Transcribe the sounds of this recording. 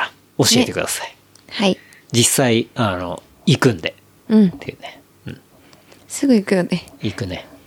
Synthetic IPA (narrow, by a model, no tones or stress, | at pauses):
o̞ɕie̞t̪e̞kɯ̟d̪asḁi̥ | hai | d͡ʑisːaiano̞̰ | ikɯ̟̃nd̪e̞ | ɯ̟̃ɴt̪ːejɯ̟̰ne | ɯ̟̰̃ɴ | sɨɡɯ̟ikɯnod̪eikɯ̟ne̞